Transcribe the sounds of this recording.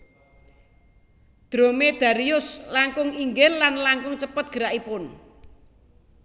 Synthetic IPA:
d̪̥ɾomed̪̥ä̤ɾiʊslaŋkʊŋiŋɡɪlːanlaŋkʊŋt͡ʃəpət̪̚ɡ̥ə̤ɾaʔipʊn

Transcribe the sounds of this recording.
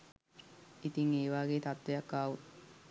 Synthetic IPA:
it̪iŋeːʋaːɡeːt̪at̪ʋejakːaːʋut̪

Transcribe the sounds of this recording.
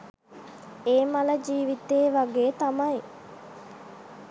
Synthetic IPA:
eːmɐlɐd͡ʒiːʋit̪eːʋɐɡeːt̪ɐmɐj

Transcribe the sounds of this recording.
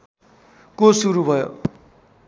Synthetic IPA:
kosuɾubʱʌjo̰

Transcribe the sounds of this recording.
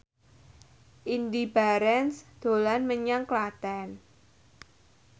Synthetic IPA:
ʔind̪ibaɾɛnsd̪̥o̤lanməɲaŋklat̪ɛn

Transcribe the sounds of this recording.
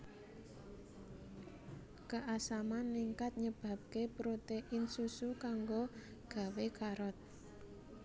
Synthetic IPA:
kəʔasamanːiŋkat̪̚ɲəb̥ä̤p̚kepɾot̪eʔɪnsusukaŋɡo | ɡ̥ä̤wekaɾɔt̪̚

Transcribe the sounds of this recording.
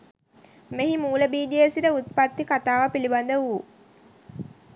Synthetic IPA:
meɦimuːləbiːd͡ʒiesiʈəut̪̚pat̪ːikat̪aːʋapiliband̪əʋuː

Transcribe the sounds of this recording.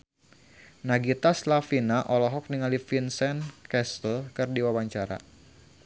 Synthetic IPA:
naɡit̪aslafinaʔɔlɔɦɔk̚niŋalifinsɛnkɛslkɨrdiwawaɲt͡ʃaɾa̰

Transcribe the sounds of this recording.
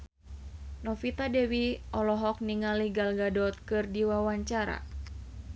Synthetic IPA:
nɔfit̪adɛwiʔɔlɔɦɔk̚niŋaliɡalɡadɔt̪̚kɨrdiwawaɲt͡ʃaɾa̰

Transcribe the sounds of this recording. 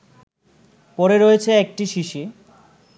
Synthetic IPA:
pɔɾeɾojet͡ɕʰeek̚ʈiʃiʃi

